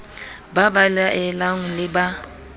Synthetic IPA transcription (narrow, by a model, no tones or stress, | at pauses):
babalaʔɛlaŋ̩lɪba